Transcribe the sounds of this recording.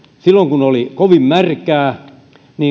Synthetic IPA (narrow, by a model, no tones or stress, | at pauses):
silːoŋkunolikoʋimmærkæː | niː